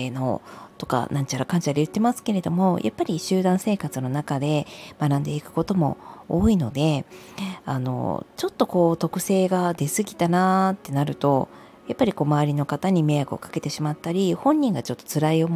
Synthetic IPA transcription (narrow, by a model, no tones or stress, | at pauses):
no̞̰t̪o̞ka̰nãɲ̟t͡ɕaɾakãɲt͡ɕaɾejɯt̪ːe̞masɨ̥ke̞ɾe̞d̪o̞mo̞jʔa̰pːaɾʲiɕɨːd̪ãɰ̃se̞ːkat͡sɨno̞nakad̪e̞manãnd̪e̞ikɯ̟̥ko̞t̪o̞mo̞̰oːino̞d̪e̞ | ano̞̰t͡ɕo̞t̪ːo̞ko̞ːt̪o̞kɯ̟se̞ːɡad̪e̞sɨɡʲit̪anat̪ːe̞naɾɯ̟t̪o̞̰ | japːaɾʲiko̞ːmaβaɾʲino̞kat̪aɲ̟ime̞jakɯ̟o̰kḁke̞t̪e̞ɕimat̪ːaɾʲihõ̞ɲ̟ːĩŋɡat͡ɕo̞t̪ːo̞̥t͡sɨɾaio̞m